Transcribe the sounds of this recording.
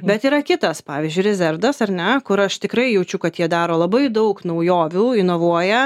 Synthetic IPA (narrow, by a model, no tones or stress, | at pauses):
bʲɛt̪iːɾɐkʲɪt̪ɐspɑːʋʲiːzʲd͡ʒʲʊɪɾʲɛzʲɛrd̪ɐsɐɾʲnʲɛkʊɾɐʃt̪ʲɪkɾɐɪjɛʊt͡ʃʲʊkɐt̪jiɛd̪ɑːɾoːlˠɐbɐɪd̪ɐʊknɐʊjoːʋʲuːɪnoːʋuɔjɛ